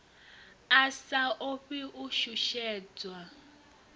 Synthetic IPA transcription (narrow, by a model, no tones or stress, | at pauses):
asaʔoɸiʔuʃuʃɛːd͡zwa